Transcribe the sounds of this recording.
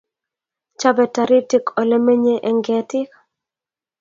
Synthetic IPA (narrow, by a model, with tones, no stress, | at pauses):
t͡ʃa˦bɛ˨ta˨ɾi˦ti˦kʰɔ˨lɛ˦me˦ɲe˦ʔɛ˨ŋɡɛ˨tɪ˦k